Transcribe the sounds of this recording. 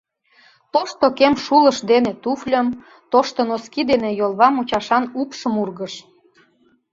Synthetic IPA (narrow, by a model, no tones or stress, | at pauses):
t̪oʃt̪okemʃulə̆ʃd̪enet̪uflʲəm | t̪oʃt̪onoskid̪enejolˠβɑmut͡ɕɑʃɑnupʃəmurɣəʃ